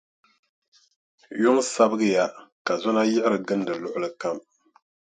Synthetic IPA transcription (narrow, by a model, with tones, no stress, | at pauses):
jʊ˦ŋsa˦bɨ˦ɡɨ˦ja˦ka˨zɔ˦na˦jɪ˦ʔɪ˦ɾɨ˨ɡɨ˦ndɨ˨lʊ˦ʔʊ˦lɨ˦ka˦˨m